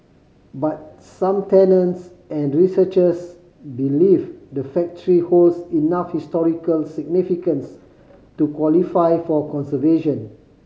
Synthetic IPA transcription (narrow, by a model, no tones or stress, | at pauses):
bat̚ | sãmtɛnə̃nts | ɛ̃nɹisət͡ʃəs | bilifdəfɛk̚təɹiholsinafhistɔɹikəlsiɡ̚nifikə̃ns | tukwɔlifajfɔkɔ̃nsəveʃə̃n